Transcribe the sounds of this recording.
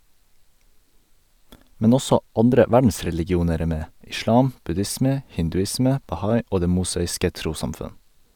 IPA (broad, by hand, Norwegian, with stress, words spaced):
ˈmɛn ˈɔsɔ ˈɑndɾə ˈʋæɖn̩sɾɛlɪɡɪˌuːnəɾ ˈeː ˈmeː ʔɪˈʃlɑːm ˈbʉdɪsmə hɪndʉˈɪsmə bɑˈhɑɪ ˈoː ˈdeː ˈmʊsɑːɪskə ˈtɾuːsɑmˌfʉn